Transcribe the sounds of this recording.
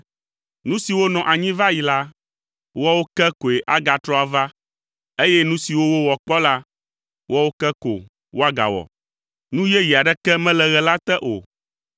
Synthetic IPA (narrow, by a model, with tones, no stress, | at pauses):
nũ˦si˨wo˦nɔ̃˨ʔa˨ɲĩ˦va˦ji˨la˦ | wɔ˦wo˦kɛ˦ko˨e˨ʔa˦ɡa˨t̪ɾɔ˦a˨va˦ | e˦jɛ˦nũ˦si˨wo˦wo˦wɔ˨k͡pɔ˦la˦ | wɔ˦wo˦kɛ˦ko̰˨ | wo˦a˦ɡa̰˨wɔ̰˨ | nũ˦jɛ˦ji˨a˨ɖɛ˦kɛ˦mɛ̃˦lɛ˨ɣɛ˨la˦t̪ɛ˦ʔo̰˨